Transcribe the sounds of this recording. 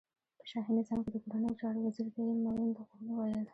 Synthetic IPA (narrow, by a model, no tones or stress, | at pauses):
pə̥ʃɑɦinɪzɑmked̪əkoɾanəjot͡ʃɑɾowaziɾɡ̪ainmɑlund̪aɣanwajəl